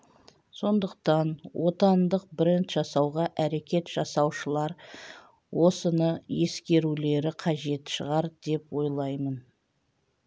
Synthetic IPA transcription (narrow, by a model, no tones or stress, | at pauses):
so̞nd̪əq̚t̪ɑnwo̞t̪ɑnd̪əq̚bɪɾent̪ʒɑsɑwʁɑʔæɾe̞kʲe̞t̪ʒ̥ɑsɑwʃəlˠɑɾ | wʔo̞sənəje̞skʲe̞ɾule̞ɾɪqʰɑʒe̞t̪ʃəʁɑɾd̪e̞pwo̞jlˠɑjmən